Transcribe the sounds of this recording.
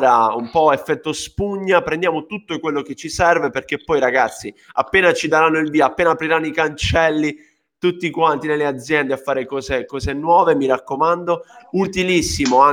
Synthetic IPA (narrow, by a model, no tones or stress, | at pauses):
ɾaumpɔefːɛt̪ːospuɲːapɾɛnd̪jaːmot̪ut̪ːoekwelːok̟et͡ʃːisɛrveperk̟epːɔjiɾaɡat̪sːia̰pːeːnat͡ʃid̪aɾanːoilviːaapːeːnapɾiɾanːoikant͡ʃɛlːi | t̪ut̪ːikwant̪inelːead̪zːjɛnd̪eafːaːɾekɔːzekɔːzenwɔːvemiɾakːomand̪out̪ilisːimoa